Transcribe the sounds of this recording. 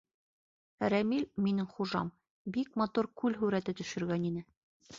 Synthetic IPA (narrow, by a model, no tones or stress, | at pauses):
ɾæmilʲminɘŋχuʒɑ̰m | bik̚mɑt̪uɾkʉlɦʉɾæt̪ɘt̪ɵ̆ʃɘ̆ɾɡæninɘ